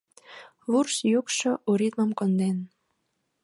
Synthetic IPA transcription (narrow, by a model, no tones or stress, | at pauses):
βursjukʃɤʔuɾit̪məmkond̪en